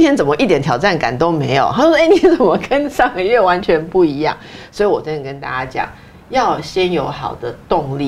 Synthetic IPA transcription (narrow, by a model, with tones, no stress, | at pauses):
t̪ʰjɛ˥nt͡sə˨˩nmə˦ʔi˥˩t̪jɛ˨˦nt̪ʰjɑ˨˩ʊʈ͡ʂa˥˩nka̰˨˩nt̪o˦ʊme˧˥˦ɪjo˨˩ʊxa˥o˥˧e˥˩nʰi˧˥t͡sə˨˩nmə˦kə˦nʂɑ˥˧ŋɡə˨ɥɛ˥˩wa˧˦nt͡ɕʰɥɛ˧˦npu˥˩i˧˥jɑ̰˥˩ŋswi˨wɔ˨˩t͡ɕə˥nə˨˩kə˦nt̪a̰˥˧t͡ɕja˥t͡ɕjɑ̰˨˩˦ŋ | jɑ˥˩ʊɕjɛ˦njo˧˥ʊxɑ˨˩ʊd̪ə˦t̪ʊ˥˨ŋli˨